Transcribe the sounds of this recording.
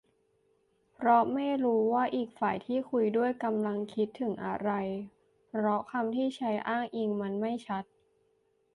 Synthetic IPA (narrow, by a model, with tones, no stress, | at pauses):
pʰɾɔ˦˥ma˥˩jɾuː˦˥waː˥˩ʔiː˨˩k̚faː˨˩jt̪ʰiː˥˩kʰu˧jdu˥˩əjka˧mla˧ŋkʰi˦˥t̪ʰːɯ˩˦ŋʔa̰˧ɾa˧j | pʰɾɔ˦˥kʰa˧mt̪ʰiː˥˩t͡ɕʰa˦˥jʔaː˥˩ŋʔiː˧ŋma˧nma˥˩jt͡ɕʰa˦˥t̪̚